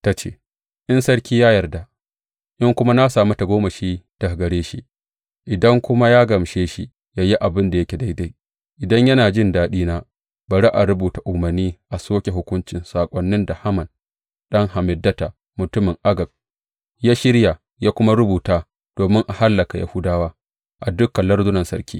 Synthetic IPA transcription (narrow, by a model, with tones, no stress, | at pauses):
ta˦t͡ʃḛː˦˨ | ʔɪ˦nsɐ˦ɽkʲiː˦jaː˦jɐ˨rda˨ | ʔɪ˦ŋkʷʊ˦ma˦na˦saː˨mɐ˦ta˨ɡʷoː˦mɐ˨ʃiː˦d̥ɐ˨ɡɐ˨ɽeː˦ʃi˦ | ʔɪ˨dɐ˦ŋkʷʊ˦ma˦jaː˦ɡɐ˨mʃeː˦ʃi˦ | jaː˦ji˦ʔa˨bɪ˦nda˨jɐ˦kʲe˨da˦jda˦j | ʔɪ˨dɐ˦ɲjɐ˦naː˨d͡ʒɪ˦˨ndaː˨ɗiː˦naː˦ | bɐ˨ɽa˦ʔa˨ɾʊ˦buː˨ta˨ʔʊ˨mɐ˨rnːiː˦ʔa˨soː˦kʲe˨ɦʊ˦kʷʊ˦nt͡ʃɪ˨nsaː˨kʷʼɔ˦nːɪ˦nda˨ha˦mɐ˨n | ɗɐ˦ŋha˨mɪ˨dːɐ˦ta˨ | mʊ˨tʊ˦mɪ˨ŋʔa˦ɡɐ˨b̚ | jaː˦ʃɪ˦ɽja˨ | jaː˦kʷʊ˦ma˦ɾʊ˦buː˨taː˦ | d̥oː˨mɪ˦ŋʔa˨ha˦lːɐ˨ka˨ja̰˨hʊ˦daː˦waː˦ | ʔa˨dʊ˦kːɐ˨lːɐ˦rzʊ˦nɐ˨nsɐ˦ɾkʲiː˦